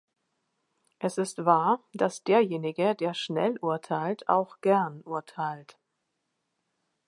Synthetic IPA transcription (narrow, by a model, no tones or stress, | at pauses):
ʔɛsɪstv̥aːɐd̥asd̥eːɐjeːnɪɡədeːɐʃnɛ̰lʔuɐtʰaɪltʰʔa̰ʊxɡ̥ɛɐnʔuɐtʰaɪlt